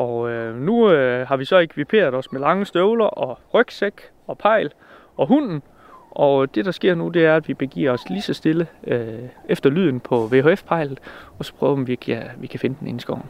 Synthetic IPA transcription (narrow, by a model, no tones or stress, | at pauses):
ʔɒønuhɦɑ̈ʋisɒ̽e̝kʰʋipʰe̝̰ːɐð̞̩ˠɒ̽smelɑ̈ŋəsd̥øʊlɐʔɒ̽ʁœɡ̥seɡ̥ | ɒ̽pʰɑ̈ɪ̰l | ɒ̽ɦun̰n̩ | ʔɒ̽d̥e̝d̥ɑ̈sɡ̥e̝ɐ̰nud̥e̝æɐæd̥ʋib̥e̝ɡ̥ḭɐɒslisɒ̽sd̥e̝ləøʔefd̥ɐlyð̞̰ˠn̩pʰɒ̽ʋe̝ɦo̝efpʰɑ̈ɪ̰lð̩ˠɒ̽sɒ̥̽pʰʁœːʊɐʋikʰæʋikʰæfe̝nəd̥en̩e̝n̩sɡ̥ɒʊn̩